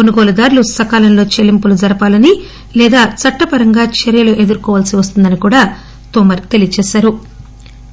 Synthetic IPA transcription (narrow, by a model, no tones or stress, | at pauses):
konuɡoːlɐd̪aːɾlusɐkaːlɐnlo̞ːt͡ʃelimpulud͡ʒɐɾɐpaːlɐni | lɛːd̪aːt͡sɐʈːɐpɐɾɐŋɡaːt͡ʃeɾjɐloːʔe̞d̪uɾukɔːʋaːlsiʋɐst̪und̪ɐnikuːɽaː | t̪oːmɐɾt̪e̞lijɐt͡ʃɛːsaːɾu